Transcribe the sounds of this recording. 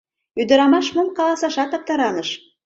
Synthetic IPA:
yd̪ɘ̆ɾɑmɑʃmulˠqɑlˠɑsɑʃɑt̪ɑp̚t̪ɑɾɑnɤ̆ʃ

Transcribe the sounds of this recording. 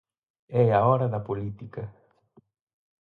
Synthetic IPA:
ɛaɔɾɐd̪ɐpolit̪ikɐ

